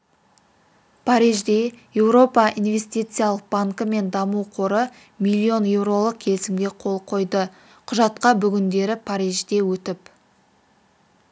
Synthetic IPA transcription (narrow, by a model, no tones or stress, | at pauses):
pʰaɾijʒd̪eje̞wɾo̞pɑinvʲe̞st̪ijt̪sɨjalˠəq̚b̥aŋkəme̞nd̪ɑmuwqʰoɾə | milʲːio̞nje̞wɾo̞lˠəq̚kʲʰe̞lsɪmɡʲe̞qʰo̞lˠqʰo̞jd̪ə | qʰʊʒɑt̪qɑbʏɡʲɪnd̪e̞ɾɪpʰaɾijʒd̪e̞wɵt̪ɪp